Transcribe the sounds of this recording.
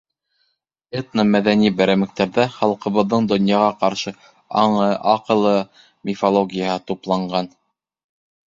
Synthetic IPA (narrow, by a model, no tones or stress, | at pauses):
et̪nəmæðænibæɾæmɘ̆k̚t̪æɾðæχɑlˠqɤ̆βɤ̆ðːɤɴd̪ŏnjɑʁɑqɑɾʃɤ | ɑ̰ɴɤɑqɤ̆lˠɤ | mʲɪfolˠoɡʲijahɤt̪uplˠɑɴɢɑn